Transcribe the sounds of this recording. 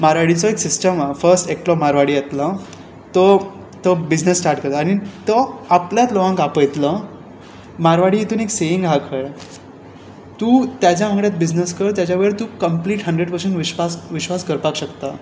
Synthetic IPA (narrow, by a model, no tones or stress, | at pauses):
maɾʋaɽit͡sɔeksisʈəmafəɾsʈek̚ʈlɔmaɾʋaɽiat̪la | t̪ɔ | t̪əbid͡ʑnəsːʈaɾʈkəɾt̪aɽ̃it̪əapljat͡s̪lɔʋãŋkapəjt̪lə | maɾʋaɽiːit̪uːneksejiŋɡɦakʰəɭ | t̪uːt̪jat͡ɕjaməɡɭjat̪̚bid͡ʑnəskəɽt̪̬jat͡ɕjaʋeɾt̪ukəmpliːʈɦəɳɖɾeɽpəɾseɳʈʋiɕʋasʋiɕʋaskəɾpakɕəkt̪a